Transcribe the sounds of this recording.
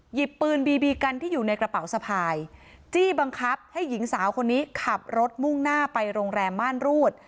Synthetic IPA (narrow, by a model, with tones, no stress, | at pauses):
ji˨˩pːɯː˧nbiː˧biː˧ka˧nt̪ʰiː˥˩juː˨˩na˧jkɾa˧pa˩˦wsa˧pʰaː˧j | t͡ɕiː˥˩ba˧ŋkʰa˦˥p̚ha˥˩jːi˩˦ŋsaː˩˦wkʰo˧nːiː˦˥kʰa˨˩p̚ɾo˦˥t̪̚mu˥˩ŋnaː˥˩pa˧jɾoː˧ŋɾɛː˧mbaː˥˩nɾuː˥˩t̪̚